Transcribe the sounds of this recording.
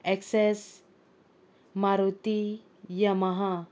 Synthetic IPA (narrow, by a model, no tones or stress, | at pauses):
ɛkses | maɾut̪i | jamaɦa